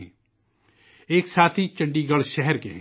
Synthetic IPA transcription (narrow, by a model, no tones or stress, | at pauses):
ɛ̃ː | eːksaːt̪ʰit͡ʃɐ̃ɳɖiɡəɭʃɛɦɛɾkeɦɛ̃